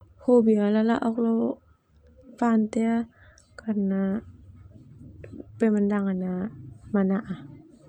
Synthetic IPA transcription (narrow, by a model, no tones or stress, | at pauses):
hobialala̰ʔɔk̚low | pant̪ɛa | kana | pemandaŋanamanaʔa